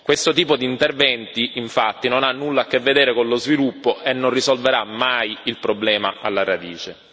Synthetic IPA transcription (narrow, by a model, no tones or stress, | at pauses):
kwest̪ot̪iːpod̪iːnt̪ervɛnt̪iiɱfat̪ːinonanːulːaːkːevːed̪eːɾekonlozvilupːoʔenːonrisolveɾamːajilpɾoblɛːmaalːaɾad̪iːt͡ʃe